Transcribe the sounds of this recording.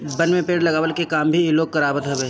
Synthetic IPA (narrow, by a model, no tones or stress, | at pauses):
bɐnmẽpeːɽlɐɡaːʋəlkekaːmbʱiɪloːk̚kɐɾaːbət̪ɦɐbeː